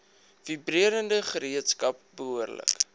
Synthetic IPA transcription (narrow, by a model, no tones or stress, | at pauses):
vibriəɾəndəχəɾiətskɐp̚bəɦuərlə̰k